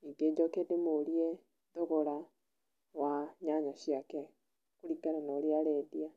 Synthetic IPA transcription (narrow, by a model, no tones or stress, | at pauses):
iɡed͡ʒokedemoɾie | d̪ɔɣɔɾa | waɲaɲaʃiakɛ | kuɾikaɾanaɾiaɾɛːdia